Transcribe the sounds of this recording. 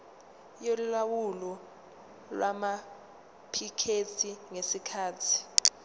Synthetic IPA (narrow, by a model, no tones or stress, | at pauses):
jolulawulɔ | lwama | pʰikʰetʰiŋesikʰaːtʰi̥